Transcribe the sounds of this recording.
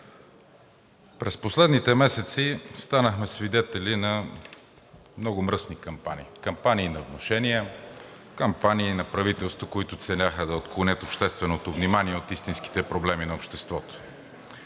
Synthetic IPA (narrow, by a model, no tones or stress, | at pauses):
pɾɛsposlɛd̪nit̪ɛmɛsɛt̪sist̪anəxmɛsvid̪ɛt̪ɛlinɐ | mnɔɡʊmɾəsnikɐmpanʲḭːkɐmpaniːnɐovnoʃɛnijɛ | kɐmpaniːnɐpɾɐvit̪ɛlˠst̪vokoit̪ʊt̪sɛnʲaxəd̪ɐot̪klˠonʲət̪opʃt̪ɛst̪vɛnot̪ovnimaniɛot̪ist̪inski̥t̪ɛpɾoblɛminɐopʃt̪ɛst̪vɔt̪o̥